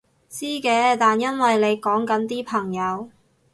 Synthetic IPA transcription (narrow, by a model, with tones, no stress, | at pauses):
t͡siː˥kɛː˨˧t̪aː˨njɐ˥nwɐ˨jle˨˧jkɔː˨˥ŋkɐ˨˥nt̪iː˥pʰɐ˨˩ŋjɐ˨˧w